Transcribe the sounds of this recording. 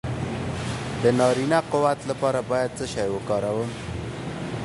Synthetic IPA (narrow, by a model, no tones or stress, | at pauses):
d̪ənɑɾinaqʊwat̪lapɑɾabɑjad̪̚t͡səʃɑjwəkɑɾawəm